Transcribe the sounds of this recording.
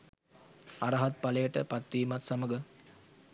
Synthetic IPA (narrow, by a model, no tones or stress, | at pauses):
aɾaɦat̪̚paləjəʈə̰pat̪ːiːmat̪saməɡə